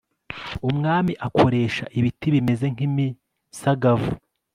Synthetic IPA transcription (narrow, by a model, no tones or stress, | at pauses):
umŋaːmiʔakʰo̞ɾe̞ːʃaʔiβitiβime̞ze̞ŋ̥imi | saɡavu